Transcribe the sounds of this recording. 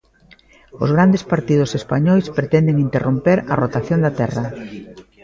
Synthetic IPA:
ʊ̰zɣɾand̪espaɾt̪ið̞ʊsespaɲɔjspɾet̪ɛnd̪eŋint̪erompeɾɐ̰rot̪aθjond̪at̪ɛrɐ

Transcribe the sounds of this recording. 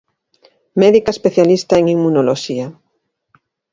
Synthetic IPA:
mɛðikaespeθjalist̪aeŋiŋmːunoloʃia

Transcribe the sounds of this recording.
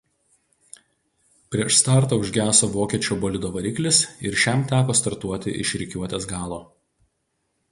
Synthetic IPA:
pʲɾʲiɛʃst̪ɑːˑɾt̪ɐʊʒʲɡʲæːsoːʋoːkʲiɛt͡ʃʲoːboːlʲɪd̪oːʋɐɾʲɪklʲɪsɪɾʃʲæmt̪ʲæːkoːst̪ɐɾt̪uɔt̪ʲɪ̰ʔɪ̰ʃʲɾʲɪkʲuɔt̪ʲeːsɡɑːlˠoː

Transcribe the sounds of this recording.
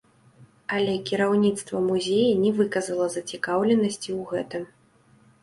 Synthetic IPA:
ɐlʲɛkʲiɾawnʲit̪st̪vɐmuzʲejɐnʲɛvɨkɐzɐlˠɐzɐt͡sʲikawlʲɛnɐsʲt͡sʲiwɣɛt̪ɨm

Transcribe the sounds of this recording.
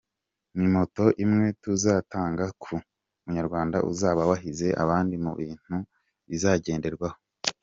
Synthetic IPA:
mimo̞to̞ʔimŋe̞tuzaːtaːŋɡakʰu | muɲaɾɡwaːnda̰ʔṵzaːβawaɦize̞ʔa̰βaːndimṵβiːn̥hu | izaːɟe̞ːnde̞ɾɡwaho̞̥

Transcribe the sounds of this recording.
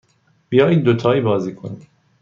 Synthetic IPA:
b̥ijɒːjiːd̪̚d̪ot̪ʰɒːiːbɒːziːkʰoni

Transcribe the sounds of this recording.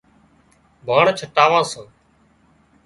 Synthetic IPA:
bʱaːɳt͡ʃʰəʈaːʋãːsãː

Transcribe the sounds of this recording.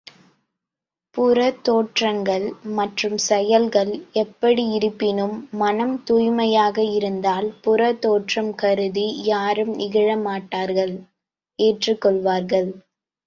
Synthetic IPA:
pʊɾɐt̪ːoːʈrɐŋɡɐɭmɐʈrɯmsɛjɐlɣɐɭɛpːɐɽiɪɾɯpːɪnɯmːɐnɐmt̪uːjmɐjaːɣɐɪɾɯnd̪aːlpʊɾɐt̪oːʈrɐmkɐɾɯðijaːɾɯmnɪɣɐɻɐmaːʈːaːɾɣɐɭ | eːʈrɯkːɔɭʋaːɾɣɐɭ

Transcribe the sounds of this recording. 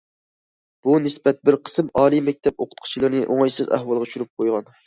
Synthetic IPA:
b̥unɪsbɛt̪̚bɪɾqʰə̥sɨmɑːlˠijmɛk̚ʲt̪ʰɛpoqʰʊ̥t̪̚qʰt͡ʃʰilˠɨɾnɨʔoŋɑjsɨzæ̰hwɑlˠʁɑʃyɾyp̚qʰojʁɑn

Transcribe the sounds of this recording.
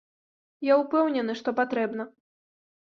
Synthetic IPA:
jaupɛwnʲɛnɨʂt̪ɔpat̪ɾɛbnɐ

